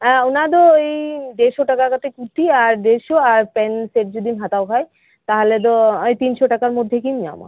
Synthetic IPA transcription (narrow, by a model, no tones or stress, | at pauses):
onat̪̬oejɖeɾʃoʈakakat̪ʰekuʈːiaɾɖeɾʃoaɾpɛnseʈ̚d͡ʑod̪ʱimɦãt̪aokʰaj | t̪aɦolet̪̬oojt̪inʃoʈakaɾmod̪ʱːekimia̰ma̰